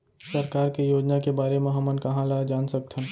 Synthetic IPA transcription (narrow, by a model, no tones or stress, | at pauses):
sɐɾkaːɾkejoːd͡ʒnakebaːɾemẽɦɐmənkɐɦãlaːed͡ʒaːnsɐk̚t̪ʰən